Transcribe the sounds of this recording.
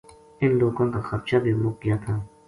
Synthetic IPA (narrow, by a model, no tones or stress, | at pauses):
ɪnloːɡõkaxɐbʃabʱibɾoːkːijat̪ʰaː